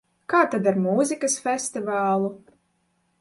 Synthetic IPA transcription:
kaːt̪ad̪aɾmuːzʲikasfʲɛst̪ivaːlˠu

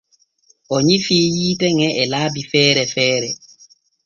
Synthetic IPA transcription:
ʔɔɲifiːjiːtɛŋɛʔɛlaːbifɛːɾɛfɛːɾɛ

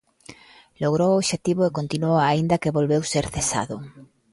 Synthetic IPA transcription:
loɣɾowoβʃet̪iβʊekont̪inuoaind̪ɐkeβolβewseɾθesa̰ðʊ

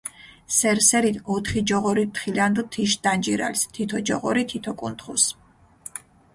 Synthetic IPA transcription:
sɛɾsɛɾit̪ʰɔt̪ʰχid͡ʒɔʁɔɾit̪χiland̪ɔt̪ʰiʃ̬d̪and͡ʒiɾa̰list̪ʰit̪ʰɔd͡ʒɔʁɔɾit̪ʰit̪ʰɔkʼunt̪χus

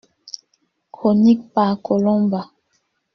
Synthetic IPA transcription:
kʰonik̚pakʰolɔmba

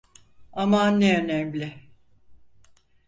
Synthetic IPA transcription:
amanːeønɛmlʲɪ

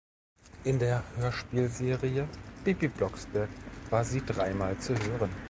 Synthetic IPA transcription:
ʔɪndeːɐhøːɐʃpiːlzeːʁiəb̥ibiblɔksb̥ɛɐkv̥aːɐziːdʁaɪmaːlt͡suɦøːʁən

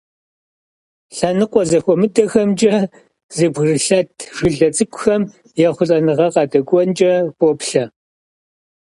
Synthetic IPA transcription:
ɬanɨqʷʼɔzɐxʷɔmɨdɐxɐmd͡ʒʼɐ | z̥ɨbɣrɨɬɐtʰʒ̥ɪɮɐt͡sʼɨkʷʊxɐm | jɛχʷʊɬʼɐnɨʁɐqɑːdɐɡʷʼɔnt͡ʃʼɐpʼɔpɬɐ

